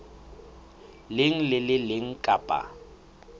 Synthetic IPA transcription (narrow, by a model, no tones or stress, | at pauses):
lɪŋ̩lɪlɪlɪŋ̩kʼaːpʼa̰